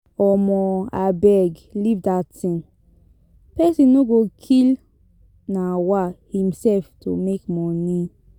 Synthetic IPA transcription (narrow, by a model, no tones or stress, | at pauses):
ɔmɔabɛɡlivdatĩn | pɛsĩnːoɡokʰil | nawahĩmsɛlftʰumekmɔnĩ